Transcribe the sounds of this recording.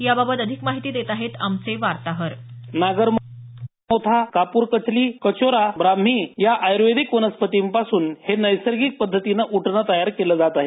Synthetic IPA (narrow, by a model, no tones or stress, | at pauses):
jababət̪əd̪ʱikmaɦit̪iːd̪et̪aɦet̪a̰mt͡seʋaɾt̪aɦəɾnaɡəɾm | ot̪ʰakapuːɾkət͡sliːkət͡ɕoɾabɾam̤ijaʔajɾʋed̪ikunəspət̪iːmpasuːnhenəjsəɾɡik̚pəd̪ʱːət̪inəʔuʈʰnət̪əjaɾkeləd͡zat̪aɦe